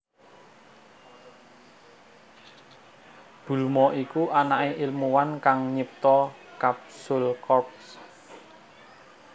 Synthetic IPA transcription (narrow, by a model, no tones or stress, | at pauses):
b̥ṳlmɔʔikuʔanaʔeʔɪlmuwankaŋɲəp̚t̪ɔkap̚sulkɔp̚s